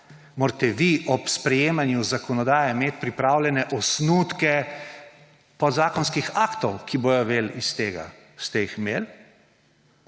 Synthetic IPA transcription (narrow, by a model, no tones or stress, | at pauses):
moːɾt̪ɛʋiʔɔpspɾɛjeːmanjuzakɔnɔd̪aːjɛmeːt̪̚pɾipɾaːwlʲɛnɛʔɔsnuːt̪kɛ | pɔd̪zaːkɔnskixaːkt̪ɔwkʰiboːjɔʋeːlist̪eːɡa̰ | st̪ɛjixmeːl